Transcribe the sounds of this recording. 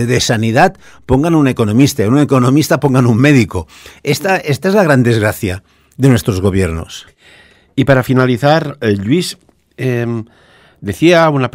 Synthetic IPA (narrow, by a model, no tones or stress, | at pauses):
ðesaniðat̪ | poŋɡanunekonõmist̪aunekonõmist̪apoŋɡanummeðiko | est̪aest̪aezlaɣ̞ɾand̪ezɣɾaθja | ðenwest̪ɾozɣo̞β̞jeɾno̰s | ipaɾafinaliθaɾʎwiz | em | d̪eθiaunap